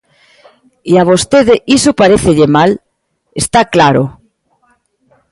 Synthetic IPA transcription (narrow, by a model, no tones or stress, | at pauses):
iaβ̞ost̪eðeʔisopaɾeθeʎemal | est̪aklaɾo